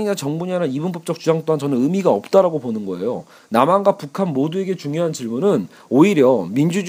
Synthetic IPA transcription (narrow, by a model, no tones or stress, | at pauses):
iɲat͡ɕʌŋbuɲananibɯmpʌp̚t͡ɕ͈ʌk̚t͡ɕ͈ud͡ʑaŋt͈oɦant͡ɕʌnɯnɯmiɡaʌp̚t͈aɾaɡoponɯnɡʌe̞̰jo | namanɡapukʰanmodue̞ɡe̞t͡ɕuŋjoɦant͡ɕiɭmunɯn | oiɾjʌmind͡ʑud͡ʑ